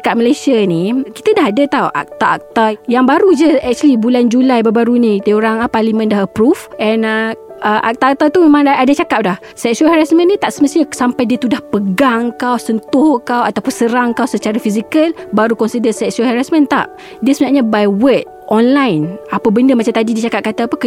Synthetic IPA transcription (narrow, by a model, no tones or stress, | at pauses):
akat̚məlesianiki̥t̪ədaɦadat̪awʔa̰k̚t̪aʔa̰k̚t̪ajaŋbaɾud͡ʒəɛk̚t͡ʃuəlibuland͡ʒulajbəbaɾunit̪əjoɾaŋəparlimə̃ndahəpɾufɛnə | ʔəʔa̰k̚t̪aːk̚t̪at̪umemãŋaʔadat͡ʃakap̚dah | sɛk̚suəlhaɾasmə̃nːit̪aʔsəməst̪iɲasampajdiət̪udahpəɡaŋkawsənt̪ʊhkawat̪awpənsəɾaŋkawsət͡ʃaɾafizikəlbaɾukɔnsidəsɛksəlhaɾasmə̃nt̪a̰ʔ | diəsəmɲaʔɲabajwət̪̚ʔɔnlajnapəbəndəmat͡ʃamt̪adidiət͡ʃakap̚kat̪aːpək